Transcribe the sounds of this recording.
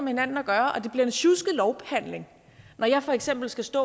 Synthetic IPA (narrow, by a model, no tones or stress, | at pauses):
mehe̝nænn̩æɡ̥ɶːɐʔɒ̽d̥e̝b̥liɐe̝nɕusɡ̥əlɒʊb̥ehæn̰le̝ŋ | nɒjɑ̈ɪfɒ̽eɡ̥sem̰b̥l̩sɡ̥æsd̥ɔ̰ː